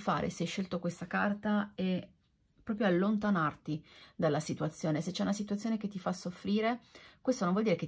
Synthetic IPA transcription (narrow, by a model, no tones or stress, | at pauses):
fa̰ːɾʔḛsɛjʃːelt̪okwest̪akart̪aɛ | pːɾɔːpɾjoalːont̪anart̪id̪alːasit̪uat̪sːjoːneset͡ʃːɛunasit̪uat̪sjoneket̪ːifasːofːɾiːɾekwest̪ononvɔld̪iɾeke